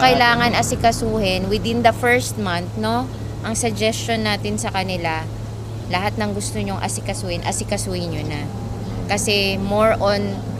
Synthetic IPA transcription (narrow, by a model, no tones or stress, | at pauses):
kɐɪlaːŋɐnʔɐsɪkɐsuːhɪnwɪd̪ɪ̃nd̪ɐfɛɹst̪̚manθno̞ | ʔɐŋsɐd͡ʒɛst͡ʃonːaːt̪ɪnsɐkɐnɪla | lɐɦat̪̚nɐŋɡʊst̪oɲoŋʔɐ̰sɪkɐsuːhɪnʔɐsɪkɐsuːhɪnɲona | kɐsɛmoɹʔon